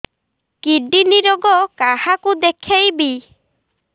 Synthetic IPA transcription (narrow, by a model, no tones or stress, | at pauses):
kiɖiniɾɔɡɔkahakud̪ekʰejbi